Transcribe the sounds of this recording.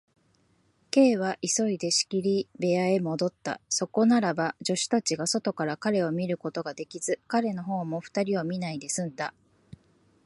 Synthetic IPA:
ke̞ːβ̞aʔiso̞id̪e̞ɕi̥kʲiɾʲibe̞ae̞mo̞d̪o̞t̪ːa̰so̞ko̞naɾabad͡ʑo̞ɕi̥t̪at͡ɕiɡaso̞t̪o̞kaɾakaɾe̞o̞mʲiɾɯ̟ko̞t̪o̞ɡad̪e̞kʲiz̥ɨkaɾe̞no̞ɦo̞ːmo̞ɸɯ̥t̪aɾʲiomʲinaid̪e̞sɨ̃nd̪a

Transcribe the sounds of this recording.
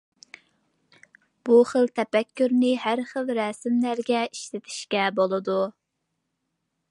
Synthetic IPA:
b̥uχəlt̪ʰɛpɛkʲʰːyɾnɪɦæɾχəlˠɾɛsɪmlæɾɡʲɛiʃlɪt̪ʰɪ̥ʃkʲɛbolˠɨd̪u

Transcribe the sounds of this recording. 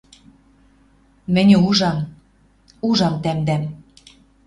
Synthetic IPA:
mɘ̆nʲĕuʒɑm | uʒɑmt̪æmd̪æm

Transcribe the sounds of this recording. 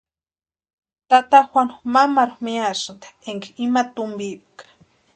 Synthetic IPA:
t̪at̪axʷwanmamaɾʊxmiasɨnt̪ḁeŋkeimat̪ʊmbipkḁ

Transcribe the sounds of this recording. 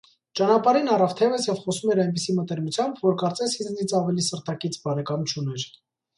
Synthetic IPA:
t͡ʃɑnɑpɑɾinɑrɑvt̪ʰɛvəsjɛvχɔsumɛɾɑjnp̬isimət̪ɛɾmut͡sʰjɑmbvɔɾkɑɾt͡sɛshiznit͡sʰɑvɛlisəɾt̪ʰɑkit͡sʰbɑɾɛkɑmt͡ʃʰunɛɾ

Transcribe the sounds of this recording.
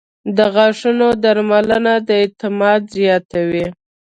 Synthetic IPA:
d̪əɣɑʂunod̪aɾmalənad̪əet̪ɪmɑd̪zijɑt̪awi

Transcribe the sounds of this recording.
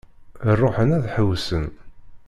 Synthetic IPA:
rˤːoħənæðħəwsən

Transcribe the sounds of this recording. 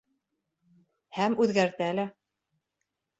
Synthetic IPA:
hæmʉðɡæɾt̪ɘælɘ

